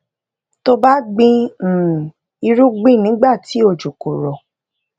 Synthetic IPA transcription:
to˧ba˦ɡ͡bĩ˧˨ | i˧ɾu˦ɡ͡bĩ˦˨nĩ˨˦ɡ͡ba˦˨ti˨˦o˦˨d͡ʒu˨ko˨ɾɔ˨

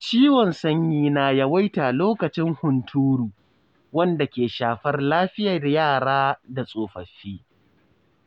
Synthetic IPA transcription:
t͡ʃiː˦wɔ˨nsɐ˦ɲjiː˦naː˨jɐ˨wa˦jtaː˨loː˦kɐ˨t͡ʃɪ˦ŋhʊ˨ntʰuː˦ɽuː˨ | wɐ˦nda˨kʲeː˨ʃaː˨ɸɐ˦rlaː˦ɸɪ˦jɐ˨rjaː˦˨ɽaː˦da˨sʼoː˨ɸɐ˨ɸːiː˦

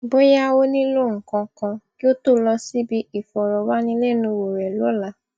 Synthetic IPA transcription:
bo˦ja˦wo˦nĩ˦lo˦˨ŋ̩˨kɔ̃˧kɔ̃˧ki˦o˦to˦˨˦lɔ˧si˦bi˧i˨fɔ˨ɾɔ˨wa˦nĩ˧lɛ˦˨nũ˧wo˨ɾɛ˨lo˨˦la˧˨

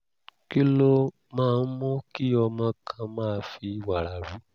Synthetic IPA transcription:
ki˦lo˦ | mãː˧n̩˦mɔ̃˦ki˦ɔ˧mã˧kʰã˧mãː˦˧˦fi˧˨wa˨ɾa˨ɾu˨˦

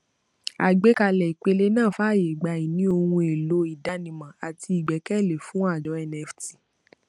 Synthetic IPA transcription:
a̰˨ɡ͡be˨˦ka˧lɛ˨i˨k͡pe˧le˦nãː˦˨fa˦˨je˨ɡ͡ba˧˨i˨nĩ˦o˧hũ˧e˨lo˨˦i˨da˨˦nĩ˨mã˨a˨ti˧i˨ɡ͡bɛ˨˦kɛ˦˨le˨fũ˨˦a˦˨d͡ʒɔ˨˦ɛ˧nɛ˧fti˨

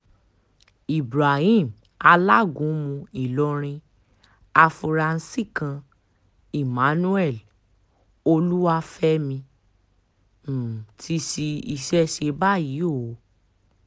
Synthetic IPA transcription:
i˨bɾa˨hĩ˦˨m | a˧la˦˨ɡũ˨˦mũ˧i˨lɔ˧˦ɾ̃ĩ˧ | a˧fu˧ɾa˧n̩˦si˦˨kã˧ | i˨mã˨˦nũ˦ɛ˦˨l | o˧lu˦wa˦fɛ˦mĩ˧˨ | tʰi˦ʃi˧i˧ʃɛ˦ʃe˧ba˦ji˨˦o˦˨˦

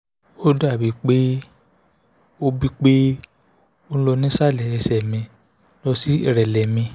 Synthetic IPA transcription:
o˦da˦˨bi˨˦k͡pe˦ | o˦bi˦k͡pe˦ | o˦ñ̩˦lɔ˧nĩ˦sa˦˨lɛ˨ɛ˧sɛ˨mĩ˧ | lɔ˧si˦i˨ɾɛ˨lɛ˨mĩ˧

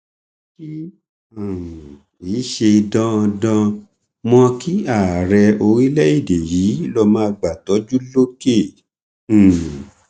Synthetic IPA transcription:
ki˦ | a˨ | i˨˦ʃe˧i˧dã˦˧dã˧ | mɔ̃˧ki˦a˦˨ɾɛ˧o˧ɾi˦lɛ˦i˦˨de˨ji˨˦lɔ˧mãː˦a˧ɡ͡ba˨tɔ˨˦d͡ʒu˦lo˦kẽ˦˨

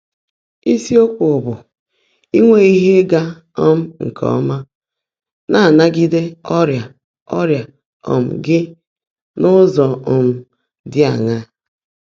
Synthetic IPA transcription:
i˦si˦o˦ko˨bʊ˨ | i˦ŋʷe˦i˦ɦe˦ɡa˦ | ɔ˦m̩˦ŋ̩˨kʰɔ̰˨˦ma˦ | na˦a˨na˦ɡi˦de˦ɔ˦ɾja˨ | ɔ˦ɾja˨ | ɔ̰˨m̩˨ɡɪ˦ | nʊ˦zɔ˨ɔ˨m̩˨ | dɪ˦a˨ŋa˦

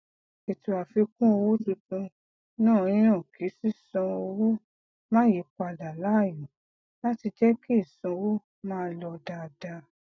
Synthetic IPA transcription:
e˨tu˨a˨fi˧kũ˦o˧wo˦du˧tũ˧ | nãː˦˨˧j̃ɔ̃˦˨kʰi˨˦si˦sɔ̃˧o˧wo˦ | mãː˦je˨˦k͡pa˧˨da˨la˨˦˨jũ˨˦ | la˦ti˧d͡ʒɛ˦ki˦i˦˨sɔ̃˧wo˦ | mãː˦lɔ˧da˧˨da˧

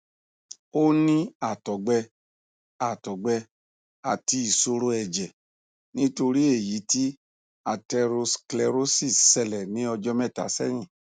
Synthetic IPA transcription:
o˦nĩ˦a˦˨tɔ˨˦ɡ͡bɛ˧ | a˨tɔ˨ɡ͡bɛ˧ | a˨ti˧i˨so˧ɾo˧ɛ˨d͡ʒɛ˨ | nĩ˦to˧ɾi˦e˦˨ji˨˦ti˦ | a˧tɛ˧ɾo˧sklɛ˧ɾo˦si˦˨sɛ˨lɛ˨nĩ˨˦ɔ˧d͡ʒɔ˦mɛ˦˨ta̰˨˦sɛ̰˦˨j̃ĩ˦˨

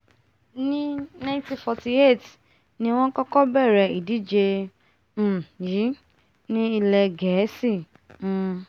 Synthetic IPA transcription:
nĩ˦nã˦ĩ˦tĩ˧fɔ˧ti˧e˦˨t | nĩ˦w̃ɔ̃˦kɔ˦kɔ˦bɛ˦˨ɾɛ˨i˨di˨˦d͡ʒe˧ | m̩˦˨ji˨˦ | nĩ˦i˧lɛ˧ɡɛ˨˦si˦˨˦

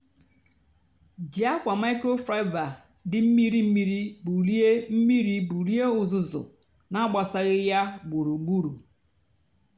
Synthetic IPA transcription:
d͡ʒi˨a˦kʷa˨ma˦ɪ˦ko˦fɾa˦ɪ˦va˨ | dɪ˦m̩˦mi˦ɾi˦m̩˦mi˦ɾi˦bu˨li˦e˦m̩˦mi˦ɾi˦bu˨li˦e˦ʊ˨zʊ˨zʊ̰˨ | na˦ɡ͡ba˨sa˦ɣɪ˦ja˦ɡ͡bu˨ɾu˨ŋ͡m̩˨ɡ͡bu˦ɾu˨

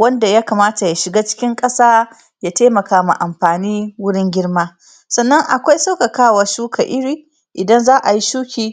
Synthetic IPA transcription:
wɐ˦nda˨jaː˦kaː˨maː˦ta˨ja˨ʃɪ˨ɡaː˦t͡ʃɪ̥˦kʲɪ˦ŋkʼɐ˦saː˦ | jaː˦teː˦mɐ˨kaː˦ma̰˨ʔa˨mɸaː˨niː˦wʊ˦ɽɪ˦ŋɡʲɪ˦ɽmaː˦ | sɐ˨nːɐ˦ŋʔa˨kʷa˦jsa˦ka˨kaː˦wa˨ʃuː˦kʰa˨ʔɪ˦ɽiː˨ | ʔɪ˨dɐ˦nzaː˦ʔa˨ji˦ʃuː˦kʲiː˨

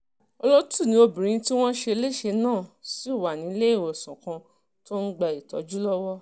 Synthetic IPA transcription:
ɔ˧lɔ˦tu˦˨nĩ˧o˧bĩ˨ɾĩ˨˧˦ti˦w̃ɔ̃˦ʃe˧le˦˨ʃe˧nãː˦˨si˨˦˨wa˨nĩ˨˦˧le˦i˦˨wo˨sã˨kã˧ | to˦n̩˦ɡ͡ba˧i˨tɔ̰˨˦d͡ʒu˦lɔ˦wɔ˦

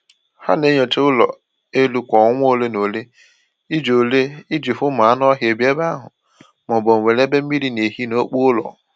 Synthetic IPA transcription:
ha̰˦ne˦ɲo˨te˦ʊ˦lɔ̰˨ | e˦lu˨kʷɔ˨˦ŋʷ˦o˦˨le˦no˨le˦ | i˦d͡ʒo˨le˦i˦d͡ʒi˨fʊ˦ma˨a˦nɔ˦ɦje˨bje˦ba˦ɦʊ̰˨ | mɔ˨bo˨ŋ̩˨we˨le˦be˦m̩˦mi˦ɾi˦ne˨ɦi˦no˦k͡pu˦ʊ˦lɔ̰˨

